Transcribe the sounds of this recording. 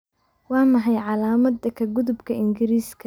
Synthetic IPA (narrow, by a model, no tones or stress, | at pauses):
wɑːmɐɦɛjʕɑlaːmɐd̪ɐkʰɐɡʊðʊbkʰɐʔɪŋɡɪɾiːskʰɐ